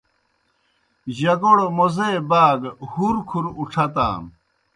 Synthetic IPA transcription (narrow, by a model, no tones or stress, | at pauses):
ʑɐɡoɽomozeːbaːɡhuɾkʰuɾuʈ͡ʂʰɐt̪a̰ːm